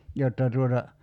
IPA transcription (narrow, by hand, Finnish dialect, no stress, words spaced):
jotːɑ tuotɑ